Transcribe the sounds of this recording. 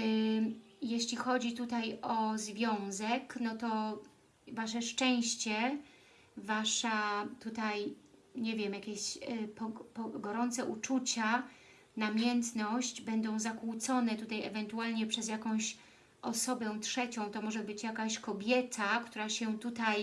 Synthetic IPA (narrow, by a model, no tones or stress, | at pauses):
jɛɕlʲixɔd͡ʑit̪ut̪ajɔzvʲjɔ̃w̃zɛknɔt̪ɔ | vaʂɛʂt͡ʂɛ̃w̃ɕt͡ɕɛ | vaʂat̪ut̪ajɲɛvʲjɛmjakʲeɕpɔpɔɡɔɾɔnt̪sɛʔut͡ʂut͡ɕa | namʲjɛnt̪nɔɕd͡ʑbɛnd̪ɔ̃w̃zakut̪sɔnɛt̪ut̪ajɛvɛnt̪ualɲɛpʂɛzjakɔ̃w̃ɕ | ʔɔsɔbɛw̃tʂɛt͡ɕɔ̃w̃t̪ɔmɔʐɛbɘt͡ɕjakaɕkɔbʲjɛt̪ʰakt̪uɾaɕɛt̪ut̪aj